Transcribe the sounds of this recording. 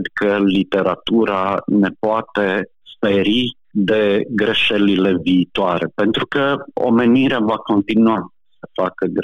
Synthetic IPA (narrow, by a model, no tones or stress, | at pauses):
d̪kəlit̪e̞ɾat̪uɾane̞poat̪e̞ | speɾi | d̪e̞ɡɾe̞ʃe̞lile̞viːt̪oaɾe̞pent̪ɾukəo̰me̞niɾeavako̞nt̪inua | səfakəɡ